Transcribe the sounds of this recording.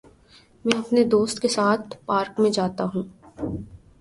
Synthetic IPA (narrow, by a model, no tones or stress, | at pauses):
mɛ̃ːɐpned̪oːst̪kesaːt̪̚ʰpaːɾkmẽd͡ʒaːt̪aɦũː